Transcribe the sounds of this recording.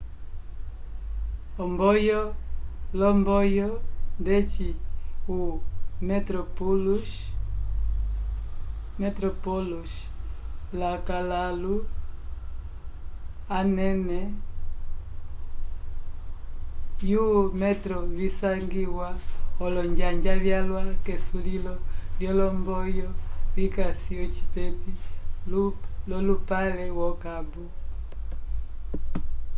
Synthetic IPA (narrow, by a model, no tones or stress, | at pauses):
ɔmbɔjɔlɔmbɔjɔndɛt͡ʃiumɛtɾɔpulu | mɛtɾɔpɔluʃ | lakalalu | anɛnɛ | jumɛtɾɔβisaŋɡiwaɔlɔɲd͡ʒaɲd͡ʒaβjalwakɛsulilɔljɔlɔmbɔjɔβikasijɔt͡ʃi̥pɛpillɔlupalɛwɔkabu